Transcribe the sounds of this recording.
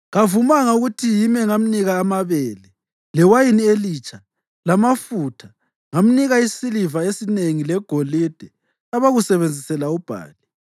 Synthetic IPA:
ɣavumaŋauɣutʰijimɛŋam̩niɣaːmaβɛːlɛ | lɛwajinieliːt͡ʃʰʼa | lamafutʰa | ŋam̩niɣaisilivaesineŋilɛɡ̥ʱolid̥ʱɛ | aβaɣusɛβend͡zʱisɛlaub̥ʱa̰ːli

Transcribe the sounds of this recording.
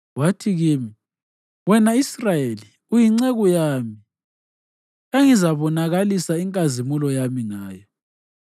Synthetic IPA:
watʰiɣiːmi | wɛnaisrajeli | ujiŋ͡ǀeɣɔjami | eŋizaβɔnaɣalisaiŋkʼazimulɔjamiŋaːjɔ

